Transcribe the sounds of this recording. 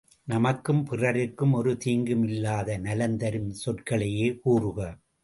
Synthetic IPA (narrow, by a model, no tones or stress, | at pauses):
nɐmɐkːɯmpɪrɐɾɪkːɯmɔɾɯt̪iːŋɡɯmɪlːaːðɐnɐlɐnd̪ɐɾɯmsɔʈkɐɭɐjeːkuːrɯɣɐ